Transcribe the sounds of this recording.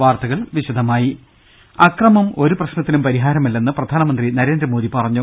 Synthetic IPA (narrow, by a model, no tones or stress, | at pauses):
ʋaːrt̪ɐɣɐɭʋiɕɐd̪ʱɐmaːji | ɐkrɐmɐmo̞ɾuprɐɕnɐt̪ːinumpɐɾiɦaːɾɐmilːenːɨprɐd̪ʱaːnɐmɐnd̪rinɐɾe̞ːnd̪rɐmoːðipɐrɐɲːu